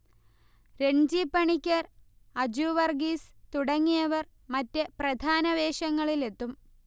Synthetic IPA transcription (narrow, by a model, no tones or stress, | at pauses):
ɾe̞ɳd͡ʑipːɐɳikʲːɐr | ɐd͡ʑuːʋɐrɡist̪uɽɐŋːijɐʋɐr | mɐtːeprɐd̪ʱaːnɐʋe̞ːɕɐŋːɐɭile̞t̪ːum